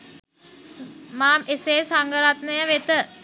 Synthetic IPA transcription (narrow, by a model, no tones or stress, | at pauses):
maːmeseːsaŋɡəɾat̪nəjəʋet̪ə